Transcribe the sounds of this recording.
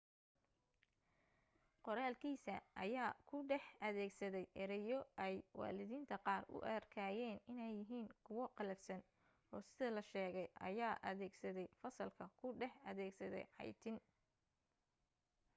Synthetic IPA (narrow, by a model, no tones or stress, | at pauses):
qɔɾaːlkʰiːsɐʔɐ̰jaːkʰʊɖɛħɐðɛːɡsɐðɛjʔɛɾɛjɔʔɛjwɑ̰ːlɪðiːnt̪ʰɐqɑːrʊ̰ʔɐ̰rkʰaːjɛːnɪnɛjːɪɦiːnkʰʊwɔqɑlɛfsɐn | ɔːsɪðɐlɐʃɛːɣɛjʔɐ̰jaːʔɐðɛːɡsɐðɛjfɐsɐlkʰɐkʰʊɖɛħɐðɛːɡsɐðɛ̰jʕɑ̰jt̪ʰɪn